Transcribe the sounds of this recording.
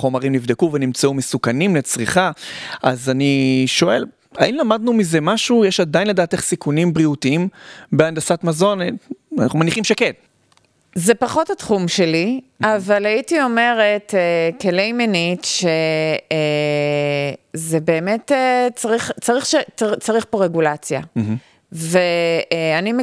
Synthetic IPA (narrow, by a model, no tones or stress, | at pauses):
χo̞maʁimnivd̪ekuvenimt͡saumesukanimlet͡sʁiχaʔazaniʃo̞e̞l | ainlamad̪̚numize̞maʃujeʃad̪ajinle̞daːteχsikunimbʁiutiimbeandasatmazo̞nana̰χumaniχimʃeken | zepaχo̞thatχumʃe̞liʔavalaitio̞me̞ʁe̞tekelejmenitʃe | zebe̞ːmetet͡saʁiχt͡saʁiχʃet͡saʁiχpo̞ʁeɡulat͡sja | veanim